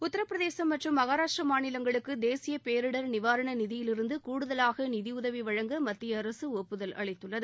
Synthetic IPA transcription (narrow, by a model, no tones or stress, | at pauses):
ʊt̪ːɐɾɐpːɾɐðeːsɐmːɐʈrɯmːɐɣaːɾaːʂʈrɐmaːɳɪlɐŋɡɐɭɯkːɯd̪eːsɪjɐpeːɾɯɽɐɾnɪʋaːɾɐɳɐnɪðɪjɪlɪɾɯnd̪ɯkuːɽʊðɐlaːɣɐnɪðɪʊðɐʋiʋɐɻɐŋɡɐmɐt̪ːɪjɐːɾɐsɯoːpːɯðɐlʔɐ̰ɭɐɪt̪ːɯɭːɐðɯ